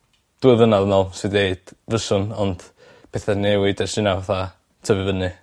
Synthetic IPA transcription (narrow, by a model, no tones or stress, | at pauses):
d̥uɨðvənaðənɔlˠsɨdeɨd̥vəsʊnɔnd̥ | pʰeθanewɪdɛsɨnawaθa | tʰəvɨvənɨ